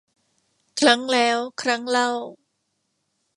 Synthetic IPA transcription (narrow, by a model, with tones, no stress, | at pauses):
kʰɾa˦˥ŋlɛː˦˥wkʰɾa˦˥ŋla˥˩w